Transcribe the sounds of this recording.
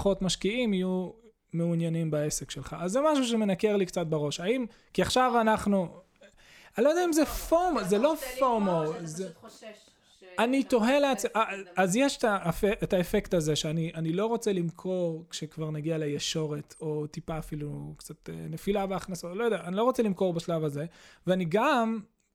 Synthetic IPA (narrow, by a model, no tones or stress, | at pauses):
χo̞tmaʃkiimaju | meunjanimbae̞se̞kʃe̞lχaazːemaʃ̬uʃ̬eme̞nakeʁlikt͡sat̚beʁo̞ʃaim | kiaχʃavanaχnu | alojodeaimzefoʁmozelo̞foʁmoze | anito̞ɦe̞leat͡saːzjeʃtafeʔetaefektazeʃeaniʔanilo̞ʁo̞t͡selimkʰo̞ʁkʃekvaʁnaɡialejeʃo̞ʁe̞tʰo̞t̪ipaːfilukt͡sat̪ḛne̞filabeaχnasotlo̞jodeaːnilo̞ʁo̞t͡selimko̞ʁbaʃlavaze̞veaniɡam